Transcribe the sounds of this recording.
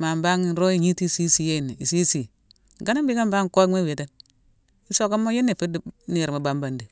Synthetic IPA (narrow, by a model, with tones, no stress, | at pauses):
ma˨mba˦ŋi˨˦ɾo˦i˦ɲi˦ti˦˨si˦si˦je˦˨ni˨i˨si˦si˨ | ɡa˦na˦bi˦ɡa˦m˦ba˦ŋ˨ko˦mʷe˦we˨te˦n | i˦so˦ka˦mːo˦je˦nːi˨fi˦di˦ni˦˨ɾma˨˦ba˦mba˦ndi˨